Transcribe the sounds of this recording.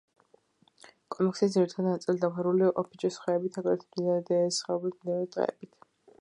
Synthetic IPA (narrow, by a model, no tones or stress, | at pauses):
kʼɔmɛksidziɾit̪ʰad̪nat̪sʼild̪aχɛɾuliʔɔpʰit͡ʃʼɛsχwɛːbit̪ʰaɡaɾɛt̪ʰmd̪izand̪ɛɛsχɛɔblt̪ʰmd̪ɛɔt̪ʼqʼɛ̰ːbit̪ʰ